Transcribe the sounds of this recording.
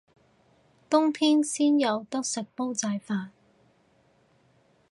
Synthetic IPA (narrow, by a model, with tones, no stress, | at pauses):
t̪ʊ˥ŋpʰiː˥nsiː˥njɐ˨˧wt̪ʊ˥k̚sɪ˨k̚po˥wt͡sɐː˧jfaː˧n